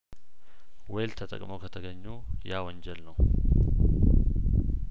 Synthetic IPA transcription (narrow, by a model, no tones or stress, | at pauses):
wejlt̪ʰət̪ʼə̰kʼməwkʰət̪ʰəɡəɲːu | jawɔɲd͡ʒɛlnəw